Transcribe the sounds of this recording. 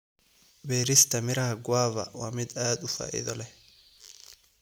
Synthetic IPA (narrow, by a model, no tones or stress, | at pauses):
bɛːɾɪst̪ʰɐmɪɾɐhɐɡwaːβɐ̰waːmɪd̪aːd̪ʊfa̰ːʔɪ̰ðɔlɛ